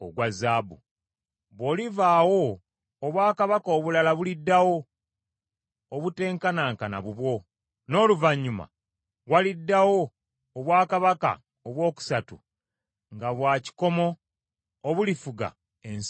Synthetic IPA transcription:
oɡwazaːbu | βoːlivaːwo̞ː | βwaːkaβakoːβulalaβulidːawo̞ | βute̞ːŋkanaːŋkana̰βuβwo̞ | no̞ːluvaɲːuma̰ | walidːawo̞ː | βwaːkaβaka̰ | oβwo̞ːku̥satṵ | ŋɡaβwaːci̥ko̞mo̞ː | βulifuɡa̰ | ens

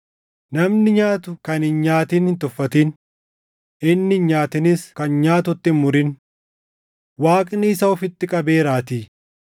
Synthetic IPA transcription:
nɐmnɪɲaːt̪ʊkɐnhɪnɲaːt̪iːnhɪnt̪ʊfːɐt̪iːn | ɪnːɪnɲaːt̪ɪnɪskɐnɲaːt̪ʊt̪ːɪnmʊɾɪn | waːkʼnɪːsɐɔfɪt̪ːɪkʼɐbe̞ːɾaːt̪iː

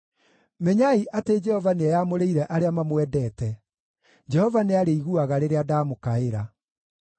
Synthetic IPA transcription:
mɛɲaiʔated͡ʒɛhɔvaneajamoɾeiɾɛʔaɾeamamwɛdɛːtɛ | d͡ʒɛhɔvaneaɾeiɣuaɣaɾeɾeadaːmokaeɾa

